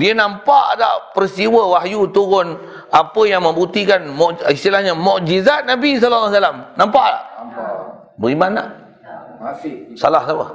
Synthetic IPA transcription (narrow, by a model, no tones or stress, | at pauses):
diənãmpaʔla̰ʔpəɾist̪iwəwaɦjut̪uɣʊn | apəjaŋmə̃mbut̪ikanmɔʔist̪ilahɲamɔʔd͡ʒizat̪̚nabis̬alalːas̬alamnãmpaʔla̰ʔ | bəɣimana̰ʔ | salahsapə̰